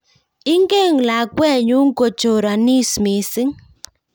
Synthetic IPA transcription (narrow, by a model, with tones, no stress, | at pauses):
i˦ŋɡe˦˨ŋla˨kwɛ˦˨ɲu˦ŋ˦ko˨t͡ʃo˨ɾa˨ni˦smi˨sɪ˦ŋ